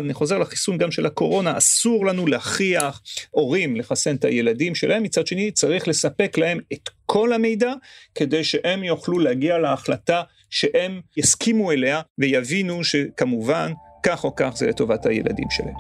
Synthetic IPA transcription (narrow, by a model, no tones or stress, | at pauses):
daniχo̞ze̞ʁlaχi̥sunɡamʃe̞lhako̞ʁo̞naasuʁlanulehaχiaχʔo̞ʁimleχasenta̰je̞ladimʃelaemːit͡sad̪ʃe̞nit͡saʁiχle̞sape̞klahe̞met̪kʰo̞lame̞jdake̞de̞jʃeʔe̞mjoχluleaɡialeːχlata | ʃeʔe̞mjaskimue̞leavejavinuʃe̞kamuvankaχo̞kaχzeleto̞vathaje̞̰lʔa̰dḭmʃḛla̰hem